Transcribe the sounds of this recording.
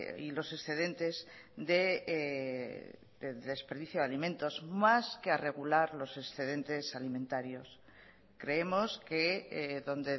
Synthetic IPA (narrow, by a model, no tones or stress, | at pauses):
ilo̞se̞sθe̞ðe̞nt̪e̞zðe | ðeðe̞speɾðiθjoðalimẽ̞nt̪o̞zmaskeare̞ɣ̞ulaɾlo̞se̞sθe̞ðe̞nt̪e̞salimẽnt̪aɾjo̞s | kɾe̞emo̞skeðo̞nd̪e̞